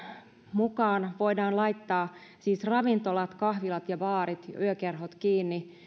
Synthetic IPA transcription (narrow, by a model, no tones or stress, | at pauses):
mukɑːnʋoidɑːnlɑit̪ːɑːsiːsrɑʋint̪olɑt̪kɑhʋilɑt̪jɑʋɑːɾit̪yøkerɦot̪kiːnːi